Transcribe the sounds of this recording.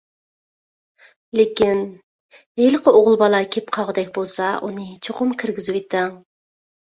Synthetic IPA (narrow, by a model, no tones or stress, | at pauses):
lekʲin | ejlˠəqʰəoʁʊlˠbɑlˠɑkʲʰepqʰɑʁəd̪ɛk̚ʲbolˠsɑʔunɨt͡ʃʰoqʊmkʲʰɪɾɡʲizwjt̪ʰɛŋ